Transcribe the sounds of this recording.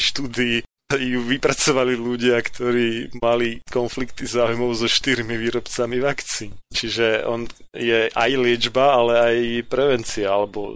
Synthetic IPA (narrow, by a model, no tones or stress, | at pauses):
ʃt̪uːd̪ii | juʋipɾat͡sɔʋaliluɟɪakt̪ʰɔɾiːmalikɔnflikt̪izaːujmɔʊzɔʃt̪iɾmiʋiːɾɔpt͡samiʋakt͡siːnt͡ʃiʒɛɔ̰n | jɛʔajlɪɛd͡ʒbaalɛajpɾɛʋɛnt͡siaalɛbɔ̰